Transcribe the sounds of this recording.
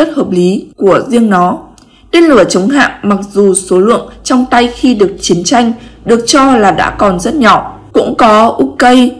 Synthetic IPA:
ə˦˥t̚həː˨˩p̚li˨˦ku˧˩əzi˧əŋnɔ˨˦ | t̪e˧nlɨ˧˩ət͡ɕə˨˦wŋ͡mɦa̰ː˧˨ʔma˨˩k̚zu˨˩so˨˦lɨ̰˧˨əŋt͡ɕɔ˧wŋ͡mt̪a˧jxi˧ɗɨ˨˩ək̚t͡ɕi˨˦ənt͡ɕa˧jŋ̟ɗɨ˨˩ək̚t͡ɕɔ˧laː˨˩ɗa̰ː˧˥kɔ˨˩nzə˦˥t̚ɲɔ˧˩˨ | kʊ̰˧˥ŋ͡mkɔ˨˦ʔu˦˥kə˧j

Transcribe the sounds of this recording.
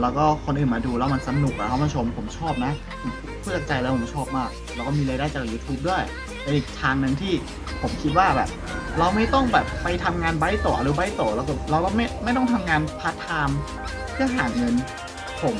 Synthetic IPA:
lɛː˦˥wkɔː˥˩kʰo˧nʔɯː˨˩nmaː˧duː˧ɾlːa˦˩wma˧nsa˧nu˨˩k̚ʔa˨˧kʰa˥˩maː˧˩t͡ɕʰo˧mpʰo˩˦mt͡ɕʰɔː˥˩p̚na˦˥˧ | pʰuː˥˩t͡ɕa˨˩k̚t͡ɕa˧jla˧˦˥pʰo˨˩˦t͡ɕʰɔː˥˩p̚maː˥˩k̚lwkɔː˥˩miː˧ɾaː˧jdaː˥˩jt͡ɕaː˨˩juː˧t̪ʰuː˦˥p̚du˥˩əj | pe˧nʔiː˨˩k̚t̪ʰaː˧ŋnɯ˧ŋt̪ʰiː˥˩ | pʰo˩˦mkʰi˦˥t̪̚waː˥˩bɛː˨˩p̚ɾa˧wma˥˩jt̪ɔ˥˩ŋbɛː˨˩p̚ːa˧jt̪ʰa˧mŋaː˧nba˦˥jt̪o˨˩ʔa˧ɾu˦˥ba˦˥jt̪oː˨˩lɛː˧wkɔː˥˩ɾa˧wɾɔ˥˩ma˥˩jma˥˩jt̪ɔ˥˩ŋt̪ʰa˧mŋaː˧npʰa˦˥t̪ʰːaː˧m | pʰɯ˥˩ɐɦaː˨˩˦ŋɤ˧n | pʰo˩˦m

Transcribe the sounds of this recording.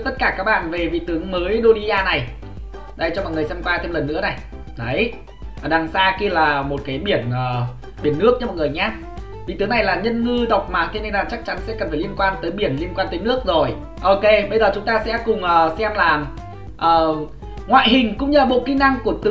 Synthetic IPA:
t̪ə˦˥t̚kaː˧˩kaː˦˥k̚ɓa̰ː˧˨nve˨˩vḭ˧˨t̪ɨ˨˦əŋməː˨˦jɗo˧li˧ʔaː˧na˨˩j | ɗa˧jt͡ɕɔ˧mɔ̰˨jŋɨ˨˩əjsɛ˧mkwaː˧t̪ʰe˧mlə˨˩nːɨ̰˧˥əna˨˩j | ɗə˨˦j | ɗa˨˩ŋsaː˧ki˧əlaː˨˩mo˨˩t̚kaː˨˦jɓi˧˩ənʔəː˨˩ | ɓi˧˩ənːɨ˦˥ək̚ɲɨ˦mɔ˨˩ŋɨ˨˩əjɲaː˧˥ | vḭ˨˧˨t̪ɨ˨˦na˨˩jlaː˨˩ɲə˧nŋɨ˧ɗə˨˩wk͡p̚maː˨˩t̪ʰe˧ne˧naː˨˩t͡ɕa˦˥k̚t͡ɕa˨˦nsɛ̰˧˥kə˨˩nfaː˧˩li˧ənkwaː˧nt̪əː˨˦jɓi˧˩ənli˧ənkwaː˧nt̪əː˨˦jnɨ˦˥ək̚zo˨˩j | ʔo˧ke˧ɓə˧jzəː˨˩t͡ɕʊ˨˦ŋ͡mt̪aː˧sɛ̰˧˥kʊ˨˩ŋ͡mʔəː˨˩sɛ˧mlaː˨˩m | ʔəː˨˩ | ŋwa̰ː˧˨jɦï˨˩ŋ̟kʊ̰˧˥ŋ͡mɲɨ˧a˨˩ɓo̰˧˨ki˧ŋ̟na˧ŋku˧˩ət̪ɨ˨

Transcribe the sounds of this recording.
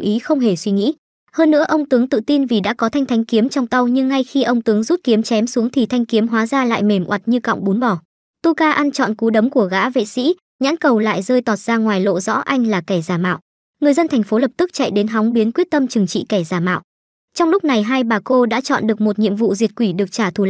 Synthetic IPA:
ʔi˨˦xə˧wŋ͡mɦe˧˩swi˧ŋḭ˧˥ | həː˧nːɨ̰˧˥əʔə˧wŋ͡mt̪ɨ˨˦əŋt̪ɨ̰˧˨t̪i˧nvi˨˩ɗa̰ː˧˥kɔ˨˦t̪ʰa˧jŋt̪ʰa˨˦jŋ̟ki˨˦əmt͡ɕɔ˧wŋ͡mt̪a˧wɲɨ˧ŋːa˧jxi˧ʔə˧wŋ͡mt̪ɨ˨˦əŋzu˦˥t̚ki˨˦əmt͡ɕɛ˨˦msu˨˦əŋt̪ʰi˨˩t̪ʰa˧jŋ̟ki˨˦əmɦwaː˨˦zaː˧la̰ː˧˨jme˧˩mʔwa˨˩t̚ɲɨ˧kɔ̰˧˨wŋ͡mɓu˨˦nɓɔ˧˩ | t̪u˧kaː˧ʔa˧nt͡ɕɔ̰˧˨nku˨˦ɗə˨˦mku˧˩əɣa̰ː˧˥vḛ˧˨sḭ˧˥ | ɲa̰ː˧˥nkə˨˩wla̰ː˧˨jzəː˧jt̪ɔ˨˩t̚z̥aː˧ŋwaː˨˩jlo̰˧˨zɔ̰˧˥ʔa˧jŋ̟laː˨˩kɛ˧˩zaː˧˩ma̰ː˧˨wʔ | ŋɨ˨˩əjzə˧nt̪ʰɛ˨˩ŋ̟fo˨˦lə˨˩p̚t̪ɨ˦˥k̚t͡ɕa̰˧˨jɗe˨˦nɦa˨˦wŋ͡mɓi˨˦ənkwi˦˥ət̚t̪ə˧mt͡ɕɨ˨˩əŋt͡ɕḭ˧˨kɛ˧˩zaː˧˩ma̰ː˧˨wʔ | t͡ɕɔ˧wŋ͡mlʊ˦˥k͡p̚na˨˩jɦaː˧jɓaː˨˩ko˧ɗa̰ː˧˥t͡ɕɔ̰˧˨nɗɨ˨˩ək̚mo˨˩t̚ɲḭ˧˨əmvṵ˧˨zi˨˩ət̚kwi˧˩ɗɨ˨˩ək̚t͡ɕaː˧˩t̪ʰu˧˩

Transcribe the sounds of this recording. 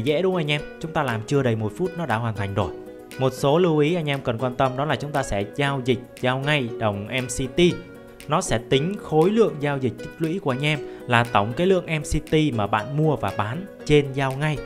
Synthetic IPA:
zɛ̰˧˥ɗʊ˨˦ŋ͡mʔa˧jŋ̟ʔɛ˧mt͡ɕʊ˨˦ŋ͡mt̪aː˧laː˨˩mt͡ɕɨ˧əɗə˨˩jmo˨˩t̚fu˦˥t̚nɔ˨˦ɗa̰ː˧˥˩ɦwaː˨˩nt̪ʰa˨˩jŋ̟zo˨˩j | mo˨˩t̚so˨˦lɨ˧wʔi˨˦ʔa˧jŋ̟ʔɛ˧mkə˨˩nkwaː˧nt̪ə˧mɗɔ˨˦laː˨˩t͡ɕʊ˨˦ŋ͡mt̪aː˧sɛ̰˧˥zaː˧wzï˨˩k̟̚zaː˧wŋa˧jɗə˨˩wŋ͡mʔɛ˧msi˧t̪i˧ | nɔ˨˦sɛ̰˧˥t̪ï˨˦ŋ̟xo˨˦jlɨ̰˧˨əŋzaː˧wzï˨˩k̟̚t̚lwḭ˧˥ku˧˩əʔa˧jŋ̟ʔɛ˧mlaː˨˩t̪ə˧˩wŋ͡mkaː˨˦jlɨ̰˧˨əŋʔɛ˧msi˧t̪i˧maː˨˩ɓa̰ː˧˨nmu˧əvaː˨˩ɓaː˨˦nt͡ɕe˧nzaː˧wŋa˧j

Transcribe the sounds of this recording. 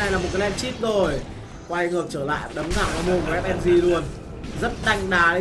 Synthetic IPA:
na˨˩jlaː˨˩mo˨˩t̚ka˨˦jʔɛ˧mt͡ɕi˦˥t̚zo˨˩j | kwaː˧ŋɨ˨˩ək̚t͡ɕəː˧˩la̰ː˧˨jɗə˨˦mŋa̰ː˧˩˨wʔɔː˨˦jmo˧nkɔ˨˩ɛ˦˥mʔɛ˧mzi˧˩lu˧˩ən | zə˦˥t̚ɗ̪a˧jŋ̟ɗaː˨˦ɗe˨˧˦

